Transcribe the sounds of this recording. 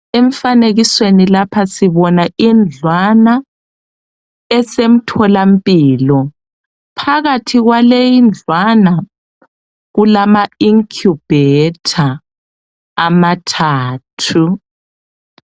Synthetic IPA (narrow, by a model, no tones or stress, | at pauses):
eɱfaneɣiswenilapʰasiβɔnaʔind͡ɮʱwana | ɛsem̩tʰɔlampʼiːlɔ | pʰaɣatʰiɣwalejind͡ɮʱwana | ɣulamaiŋkʰjub̥ʱɛtʰa | matʰaːtʰu